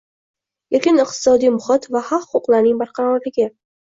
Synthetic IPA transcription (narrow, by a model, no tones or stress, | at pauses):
eɾkʲɪnɨqt̪ʰɪ̥sɒd̪ijmʊχɪt̪vahɑqχʊʊqlˠaɾnɪŋbaɾqʰɑɾɒɾlɪɡʲɪ